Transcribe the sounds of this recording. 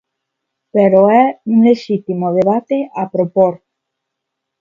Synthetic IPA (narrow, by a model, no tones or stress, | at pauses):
peɾoɛuŋleʃit̪imoð̞eβ̞at̪eʔapɾopoɾ